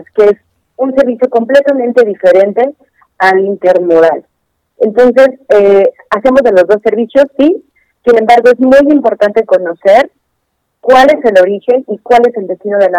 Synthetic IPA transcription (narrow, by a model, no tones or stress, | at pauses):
skees | unse̞ɾβisjoko̞mple̞t̪amẽnt̪e̞ð̞ife̞ɾe̞nt̪e̞ | alint̪e̞ɾmoɾal | ent̪o̞nse̞se | ase̞mo̞zðe̞lo̞zðo̞sːe̞ɾβisjo̞sːi | sine̞mbaɾɣoe̞zmujimpo̞ɾt̪ant̪e̞ko̞no̞se̞ɾ | kwale̞se̞lo̞ɾixe̞nikwale̞se̞ld̪e̞st̪ino̞ð̞ela